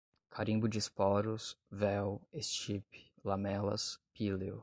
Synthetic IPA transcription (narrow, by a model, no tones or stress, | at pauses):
kʰaɾĩbʊd͡ʒɪspɔɾʊsvɛwest͡ʃipɪ̥ | lamɛlɐ̰spileʊ